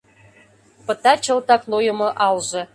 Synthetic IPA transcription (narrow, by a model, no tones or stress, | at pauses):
pɤ̆t̪ɑt͡ɕɤ̆lˠt̪ɑklˠojə̆mɤ̆ʔɑlʒɤ̆